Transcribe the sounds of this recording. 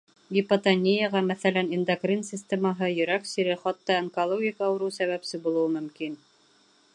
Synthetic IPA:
ɡʲipɐt̪ɐnʲijaʁɑmæθælænind̪akrʲinsʲɪsʲt̪ʲemɑɦɤjɵ̆ɾæksiɾɘχɑt̪ːɑeŋkolˠoɡʲɪkɑːwɾɤwsæβæpsɘbulˠɤ̆wɤmɵ̆mkin

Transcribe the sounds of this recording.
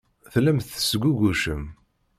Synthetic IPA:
θlæmθə̥sɡʷuɡʷuʃəm

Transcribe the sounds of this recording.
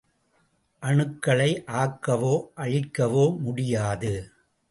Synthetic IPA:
ʔɐɳɯkːɐɭɐɪʔaːkːɐʋoːʔɐɻɪkːɐʋoːmʊɽɪjaːðɯ

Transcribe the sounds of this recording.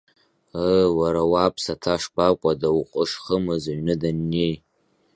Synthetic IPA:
əwaɾawapʰsatʰaʂbakʷʼadawqʷʼəʂχəmɨzaɥnɨdanːej

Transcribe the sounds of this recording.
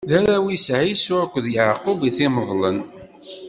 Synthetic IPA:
ðæɾæwisʕisʊɾkʷːðjaʕqubiθiməðˤlən

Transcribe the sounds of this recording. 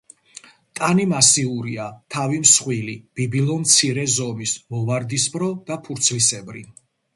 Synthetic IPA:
t̪ʼanimasiuɾiat̪ʰavimsχwilib̥ibilˠɔmt̪sʰiɾɛzɔmismɔvaɾd̪isbɾɔd̪̥apʰuɾt̪sʰlisɛbɾi

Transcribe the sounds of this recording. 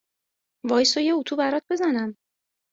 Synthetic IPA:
vɒːjsɔjeut̪ʰuːbæɾɒt̪̚be̞zænæm

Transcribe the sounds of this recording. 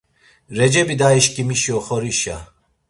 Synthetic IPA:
ɾɛd͡ʒɛbid̪aiʃkʼimiʃiɔχɔɾiʃa̰

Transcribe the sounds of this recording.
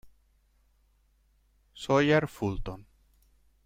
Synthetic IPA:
sojaɾfult̪on

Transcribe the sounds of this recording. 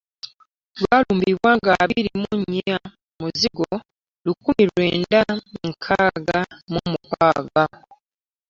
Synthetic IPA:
lwaːluːmbiβwaːŋɡaβiɾimuɲa | muziɡo | lukumiɾweːndaiŋkʰaːɡamumupaːɡa

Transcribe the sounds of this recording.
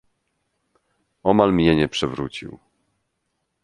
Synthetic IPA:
ɔmalmɲɛɲɛpʂɛvɾut͡ɕḭw

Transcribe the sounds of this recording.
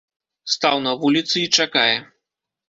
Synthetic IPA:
st̪awnɐvulʲit̪sɨit͡ʂakajɛ

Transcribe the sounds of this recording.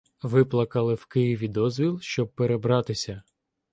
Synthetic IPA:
ʋɪplˠɐkɐlˠɪwkɪjiʋʲid̪ɔzʲʋʲilˠʃt͡ʃɔb̚peɾebɾɑt̪ɪsʲɐ

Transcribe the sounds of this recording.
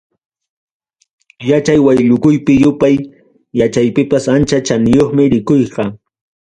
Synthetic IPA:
jat͡ʃajwajʎʊkʊjpɪjʊpaj | jat͡ʃajpɪpasant͡ʃat͡ʃanɪjoχmɪɾɪkojqɑ

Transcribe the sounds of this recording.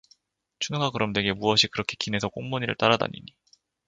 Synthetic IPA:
t͡ɕʰunɯŋɡakɯɾʌmdwe̞ɡe̞muʌɕʰikɯɾʌkʰe̞kine̞sʰʌk͈oŋmoɲiɾɯ̰ɭt͈aɾada̰ɲḭɲi

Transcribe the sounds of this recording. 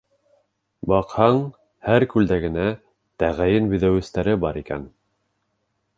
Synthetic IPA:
bɑqhɑɴ | hæɾkʉld̪æɡɘ̆næ | t̪æʁæjɘnbɵ̆ðæwɘ̆st̪æɾɘbɑɾikæ̰n

